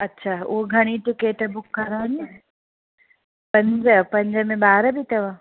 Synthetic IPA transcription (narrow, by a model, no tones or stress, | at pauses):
ɐtːɕʰaːʊ̰oɡʱɐɽ̃itɪkeːʈəbʊkːɐɾaːne | pɐ̃ɲd͡ʒəpɐ̃ɲd͡ʑəmẽbaːɾəbʱit̪ɐʋa